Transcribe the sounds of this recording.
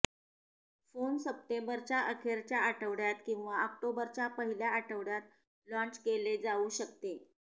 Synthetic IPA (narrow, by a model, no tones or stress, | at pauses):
fonsəp̚t̪embəɾt͡ɕjaʔəkʰeɾt͡ɕjaːʈʰəʋɽjat̪kĩw̃ʋaək̚ʈobəɾt͡ɕapəɦiljaːʈʰəʋɽjat̪̚ | lɔ̃ɲt͡ɕkeled͡zauːɕəkt̪e